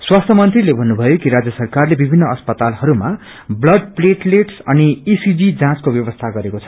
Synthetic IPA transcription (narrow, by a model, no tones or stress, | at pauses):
swast̪ʰʌmʌnt̪rilebʱʌnːubʱʌjokiɾad͡zjʌsʌrkarlebibʱinːʌʌspʌt̪alhʌɾuma | blʌɖ̚pleʈleʈsʌniisid͡zid͡zãt͡skobjʌβʌst̪ʰaɡʌɾekot͡sʰʌ̥